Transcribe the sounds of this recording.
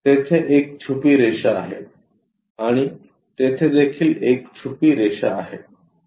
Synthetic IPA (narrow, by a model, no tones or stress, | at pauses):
t̪et̪ʰeʔek̚t͡ɕʰupiːɾeɕaːɦe | aɽ̃i | t̪et̪ʰed̪ekʰiːlekt͡ɕʰupiːɾeɕa̰aɦe